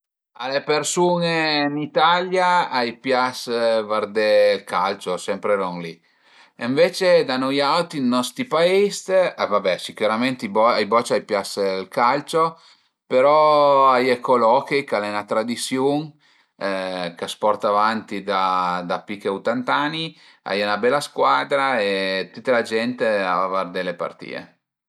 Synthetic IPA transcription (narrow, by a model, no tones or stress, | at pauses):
alepeɾsunenit̪aljaajpjasvaɾd̪elkalt͡ʃosɛmpɾeɾoŋli | eɱvet͡ʃed̪anojawt̪inːɔst̪ɾipaist̪vabɛsikuɾament̪ibɔajbɔt͡ʃajpjaslkalt͡ʃo | peɾɔajekolɔkejkalɛnat̪ɾad̪isjuŋ | kaspɔrt̪avant̪id̪ad̪apikeut̪ant̪ani | a̰junabɛlːaskwaːd̪ɾaet̪ut̪ːalad͡ʒɛnt̪eaavard̪elːepa̰rt̪ḭːḛ